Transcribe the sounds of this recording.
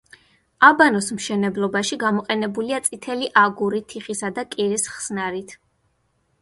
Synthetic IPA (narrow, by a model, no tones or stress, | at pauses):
abanɔsmʃɛnɛblˠɔbaʃiɡamɔqʼɛnɛbuliat̪sʼit̪ʰɛliʔaɡuɾit̪ʰiχisad̪akʼiɾisχsnaɾit̪ʰ